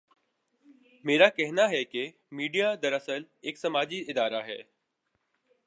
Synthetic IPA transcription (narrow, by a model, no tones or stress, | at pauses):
meːɾakɛɦnaɦɛke | miːɖijad̪əɾəsəl | ɪksɐmaːd͡ʑiɪd̪aːɾaɦɛ̰ː